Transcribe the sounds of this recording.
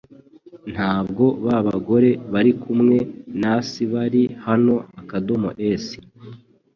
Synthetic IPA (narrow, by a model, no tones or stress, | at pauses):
n̥haːbɡo̞βaβaɡo̞ɾe̞βaɾikumŋe̞nasiβaɾihano̞akado̞mo̰ʔeːsi̥